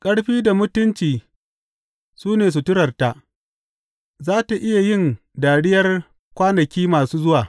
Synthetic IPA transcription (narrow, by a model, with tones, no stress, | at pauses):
kʼɐ˦ɽɸiː˦da˨mʊ˦tʊ˦nt͡ʃiː˨ | suː˦neː˨s̬u˨tʊ˦ɽɐ˨rta˨ʔ | zaː˦ta˨ʔɪ˦ja˨jɪ˦˨n | daː˨ɽɪ˦jɐ˦r | kʷaː˦nɐ˨kʲiː˦maː˨suː˦zʊ˦waː˨